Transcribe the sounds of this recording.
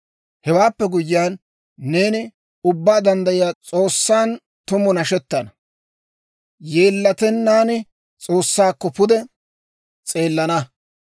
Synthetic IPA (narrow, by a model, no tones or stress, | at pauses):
hɛwaːpːɛɡʊjɪjaːnː | e̞ːnɪ | ʊbːaːd̪ɐnd̪ɐjɪjaːt͡sʼo̞ːsːaːn | t̪ʊmʊnɐʃɛt̪ːɐnɐ | jeːlːɐt̪ɛnːaːnɪ | t͡sʼo̞ːsːaːkːɔpʊd̪ɛ | t͡sʼe̞ːlːɐnɐ